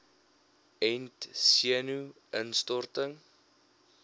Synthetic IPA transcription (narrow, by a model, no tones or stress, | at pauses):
ɛntsiənuʔənstɔrtəŋ